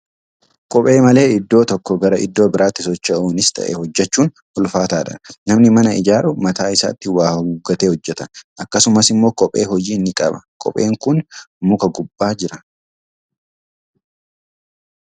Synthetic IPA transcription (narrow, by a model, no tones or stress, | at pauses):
kʼɔpʼe̞ːmɐle̞ːɪd̪ːo̞ːt̪ɔkːɔɡɐɾɐʔɪ̰d̪ːo̞ːbɪɾʔaːt̪ːɪsɔt͡ʃːɐʔuːnɪst̪ʰɐ̰ʔɛhɔd͡ʒːɛt͡ʃːuːn | hʊlfaːt̪aːᶑɐ̰nɐmnɪmɐnɐɪd͡ʒaːɾʊmɐt̪aːɪsa̰ːt̪ːɪwaːhuɡɐt̪eːhɔd͡ʒːɛt̪ɐ̥ʔɐkːɐsʊmɐsɪmːo̞ːkʼɔpʼːe̞̰ːɦɔd͡ʒiːnːɪkʼɐ̰bɐ̰kʼɔ̰pʼe̞̰ːŋkʊnmʊkɐɡʊbːaːd͡ʒɪɾɐ